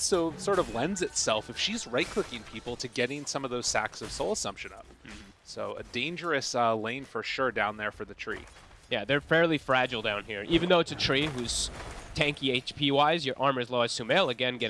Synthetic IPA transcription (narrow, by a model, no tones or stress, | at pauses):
soʊsɔɹɾʌvlɛ̃ndzɨtsɛlˠfɨfʃizɹaɪt̚kʰʊkɪ̃ŋpʰipl̩ˠtʰɨɡɛɾɪ̃ŋsʌ̃mʌvðoʊz̥sæ̰ksʌv̥soʊlˠəsʌ̃mpʃɨ̃nʌ̰p̩̚ | soʊɨ̰dẽɪ̃nd͡ʒə˞ɨsʌlẽɪ̃nfə˞ʃʊɹdãʊ̃nðə˞fə˞ðɨtʰɹ̥ḭ | jæðə˞fɛɹlˠifɹæd͡ʒl̩ˠdãʊ̃nhiɹʔivɨ̃n̩ðoʊɨtsɨtʰɹ̥iɦuz̥tʰæ̃ŋkieɪt͡ʃpʰiwaɪzjə˞ʔɑɹmə˞zloʊɨz̥sʉmeɪlˠɨɡɛ̃nɡɛ